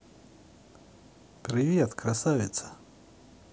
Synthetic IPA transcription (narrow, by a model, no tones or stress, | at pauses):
pɾʲɪvʲet̪kɾasavʲɪt̪sə̥